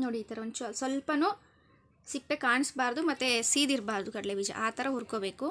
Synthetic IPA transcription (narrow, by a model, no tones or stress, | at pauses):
noːɽiːt̪ɐɾeont͡ʃuɐsʋɐlpɐnu | sipːekaːɳisbaːɾd̪umɐt̪ːesiːd̪iɾbaːɾd̪ukɐɽɐleʋid͡ʒɐ̰ʔaːt̪ɐɾɐɦuːɾkoːbe̞ːku